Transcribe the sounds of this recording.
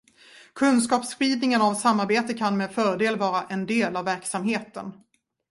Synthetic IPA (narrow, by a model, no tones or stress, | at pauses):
kʰɵnskɑːpsɧiːd̪nɪŋənavsamːaɾbeːt̪əkʰanmeːd̪fœːɾɖeːlvɑːɾaʔɛnd̪eːlavːæɾksamɦeːt̪ə̰n